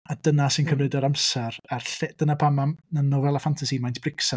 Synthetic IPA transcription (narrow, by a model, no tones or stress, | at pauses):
adənasɨnkʰəmrɨdɔɾamsɛɾarɬɛd̥ənapʰamananɔvɛlˠafantʰasimajntʰb̥rɪksa